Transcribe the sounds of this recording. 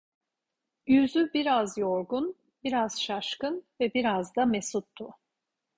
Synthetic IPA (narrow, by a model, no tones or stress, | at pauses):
jyzybiɾazjo̞ɾɡun | biɾaz̥ʃaʃkɯnvɛbiɾazd̪amesut̪ʰːu